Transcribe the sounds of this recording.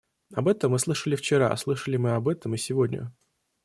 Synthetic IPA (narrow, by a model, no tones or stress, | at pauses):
ɐbɛt̪əmːɨslˠɨʂəlʲɪft͡ɕɪɾa̰slˠɨʂəlʲɪmɨɐbɛt̪əmɨsʲɪvodʲnʲə̰